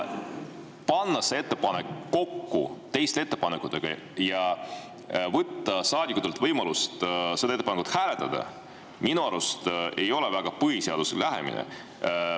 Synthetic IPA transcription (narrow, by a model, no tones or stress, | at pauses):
pɑnːɑsee̞t̪ːepɑnekːo̞kːṵt̪e̞jst̪eet̪ːe̞pɑnekːˑut̪ːˑe̞ɡ̥ɑ̰ | jɑ | vɤt̪ːɑsɑːd̪ʲikut̪ːelt̪vɤjmɑlust̪sed̪ɑet̪ːepɑnekut̪hæːle̞t̪ːˑɑd̪̥ɑ̰ | minuɑɾust̪e̞jo̞levæɡ̥ɑpɯɦiseɑd̪̥usḛlʔæɦḛmḭnḛ